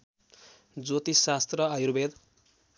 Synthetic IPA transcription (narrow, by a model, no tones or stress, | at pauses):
d͡zot̪isast̪rʌʌjuɾbed̪